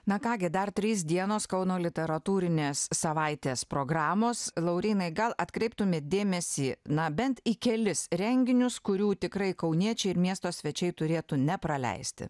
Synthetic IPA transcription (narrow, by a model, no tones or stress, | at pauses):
nɐkɑːɡʲɪd̪ɐrt̪ʲɾʲiːs̬d̪ʲiɛnoːskɐʊnoːlʲɪt̪ʲɛɾɐt̪uːɾʲɪnʲeːsːɐʋɐɪt̪ʲeːspɾoːɡɾɑːmoːslˠɐʊɾʲiːnɐɪɡɐlˠɐt̪kɾʲɛɪpt̪ʊmʲeːd̪ʲeːmʲɛsʲiːnɐbʲɛnt̪ikʲɛlʲɪsɾʲɛŋʲɡʲɪnʲʊskʊɾʲuːt̪ʲɪkɾɐɪkɐʊnʲiɛt͡ʃʲɛɪɪɾmʲiɛst̪oːsʲʋʲɛt͡ʃʲɛɪt̪ʊɾʲeːt̪uːnʲɛpɾɐlʲɛ̰ɪsʲt̪ʲɪ̰